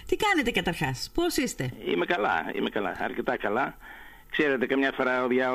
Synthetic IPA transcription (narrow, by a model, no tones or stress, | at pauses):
t̪ikɐne̞t̪e̞kɐt̪ɐɾxɐsposist̪e̞ḭmekɐlɐ̰ḭmekɐlɐ̰ɐ̰ɾcet̪ɐkɐlɐ | kseɾet̪ekɐmɲɐfoɾɐoðʝɐ